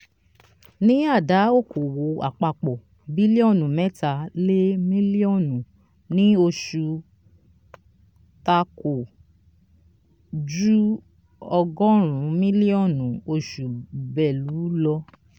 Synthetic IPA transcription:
nĩ˦a˦˨da˨˦o˦˨ko˨wo˨˦a̰˨k͡pa˧k͡pɔ˨ | bi˦li˦ɔ˦˨nũ˨mɛ˦ta˨˦le˦mĩ˦li˦ɔ˦˨nũ˨ | nĩ˦o˧ʃu˧ | ta˧ko˨ | d͡ʒu˦ | ɔ˧ɡɔ̃˦ɾ̃ũ˨˦mĩ˦li˦ɔ˦˨nũ˨o˧ʃu˨bɛ˨lu˨˦lɔ˧

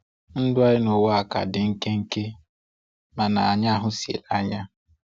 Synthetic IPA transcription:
n̩˦dʊ˦a˦ɾɪ˦no˨wa˨ka̰˨dɪ˨ŋ̩˦ke˦ŋ̩˦ke˦ | ma˨na˨a˨ɲa˦ɦʊ˦si˨ḛ˨la˦ɲa˦

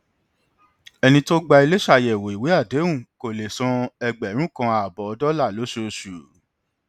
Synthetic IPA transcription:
ɛ˧nĩ˧to˦ɡ͡ba˧i˧le˦ʃa˧˨jɛ˨wo˨i˨we˨˦a˦˨de˨˦wũ˦˨ko˨le˨sɔ̃˧ɛ˧ɡ͡bɛ˨˦ɾ̃ũ˦kã˧a˨bɔ˨ɔ˧dɔ˦la˦˨lo˨˦ʃo˧ʃu˨

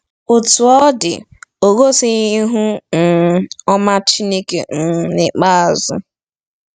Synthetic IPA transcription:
ʊ˨tʊ˨ɔ˦dɪ̰˨ | o˨ɡo˦sɪ˦ɲi˦ɦu˦n̩˨ɔ˦ma˦t͡ʃi˦ne˦kḛ˨n̩˨nɪ˨k͡pa˦a˨zʊ̰˦

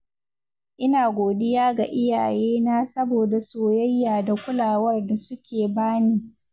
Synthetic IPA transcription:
ʔɪ˦naː˨ɡʷoː˨dɪ˦jaː˦ɡa˨ʔɪ˦jaː˨jeː˦naː˦sɐ˦boː˨da˨soː˨jɐ˦jːaː˨da˨kʷʊ˦laː˨wɐ˦rda˨sʊ˦kʲʰeː˨baː˦niː˦

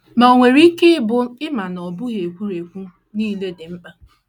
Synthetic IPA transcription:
ma˨o˨ŋʷe˨ɾi˦ke˦bʊ˦ɪ˦ma˨nɔ˨bʊ˦ɣe˨kʷu˦ɾe˨kʷu˦ | niː˦˨le˦dɪ˨m̩˦k͡pa˦

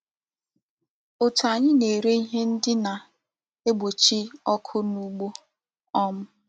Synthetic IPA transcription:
o˨tu˨a˨ɲɪ˦ne˨ɾe˦i˦ɦe˦n̩˦dɪ˦na˨ | e˦ɡ͡bo˨t͡ʃi˦ɔ˦kʰʊ˦nu˦ɡ͡bo˦ | ɔ˦m̩˦

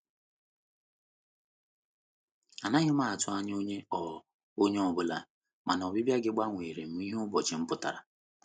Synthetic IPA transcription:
a˨na˦ɲʊ˦ma˦˨a˨tʊ˦a˦ɲ˦o˦ɲe˦ɔ˨ | o˦ɲe˦ɔ˨bʊ˦la˨ | ma˨n˨ɔ˨bɪ˦bja˦ɡɪ˦ɡ͡ba˦ŋʷe˨ɾe˨m̩˨˦i˦ɦʊ˦bɔ˨t͡ʃɪ˨m̩˦pʊ˦ta̰˨ɾa˨

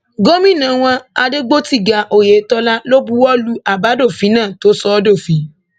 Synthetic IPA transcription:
ɡo˦mĩ˦˨nã˨˦w̃ɔ̃˧a˧de˦ɡ͡bo˦ti˦˨ɡa˨ʔo˨je˨˦tɔ˧la˦lo˦bu˦wɔ˦lu˦a˨ba˨˦do˦˨fi˨˦nãː˦˨to˨˦sɔ˧˦do˦˨fi˨˦

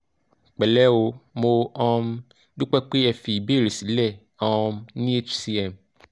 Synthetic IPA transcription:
k͡pɛ˨lɛ˦wo˧mo˧ɔ̃˦˧m | du˦k͡pɛ˦k͡pe˦ɛ˧fi˨i˨be˦˨ɾe˨si˨˦lɛ˦˨ | ɔ˦mnĩ˦e˦t͡ʃsi˧ɛ˦˨m

